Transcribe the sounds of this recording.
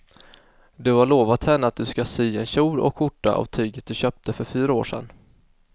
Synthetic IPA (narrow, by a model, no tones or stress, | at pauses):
d̪ɵhaɭoːvat̪hɛnːəat̪̚d̪ɵskasyːɛnɕuːɾɔ̰kɧʊʈːa̰ʔa̰vt̪ʰyːɡət̪̚d̪ɵɕœːp̚t̪ʰəfœɾfyːɾaoːʂɛ̰n